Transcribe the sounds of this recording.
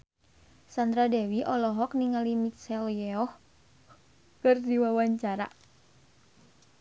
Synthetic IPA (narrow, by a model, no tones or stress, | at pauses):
sand̪ɾadɛwiʔɔlɔɦɔk̚niŋalimit̪sɛljɛɔh | kɨrdiwawaɲt͡ʃaɾa̰